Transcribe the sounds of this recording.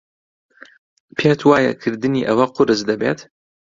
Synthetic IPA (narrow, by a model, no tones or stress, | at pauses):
pʰeːt̪ʰwaːjɐ̰kʰɨɾd̪ɨniːʔɐwɐqʊɾɨzd̪ɐbḛːt̪